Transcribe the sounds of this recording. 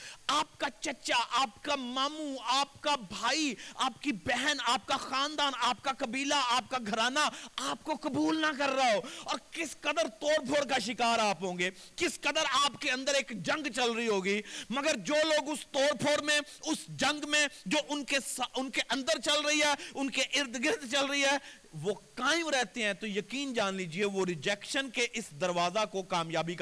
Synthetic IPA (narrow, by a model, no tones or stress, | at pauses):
aːpkat͡ʃɐt͡ʃaʔaːpkamaːmuaːp̚kabʱaːiaːpkibɛɦɛnaːp̚kaxaːnd̪aːnaːp̚kakɐbiːlaaːp̚kaɡʱɐɾaːnaaːpkokɐbuːlnakɐɾːaaɦoːɔːɾkɪskɐd̪əɾt̪oːɾpʰoːɾkaʃɪkaːɾaːpɦõːŋɡeː | kɪskəd̪əɾaːpkeɐ̃nd̪əɾeːkd͡ʒɐ̃ŋɡt͡ʃɐlɾəiɦoːɡiːmɐɡəɾd͡ʒoːloːɡʊst̪oːɾpʰoːɾmẽʊsd͡ʒɐ̃ŋɡmẽd͡ʒoːʔʊnkesʊnkeʔɐ̃nd̪əɾt͡ʃɐlɾɐiɦɛːʊnkeʔɪɾd̪ɡɪɾd̪t͡ʃɐlɾəiɦɛː | ʋoːkaːɪ̃mɾɛɦt̪eɦɛ̃t̪ojɐkiːnd͡ʒaːnliːd͡ʒieʋoɾɪd͡ʒɛːkʃənkeʔɪsd̪ɐɾʋaːzakokaːmjaːbik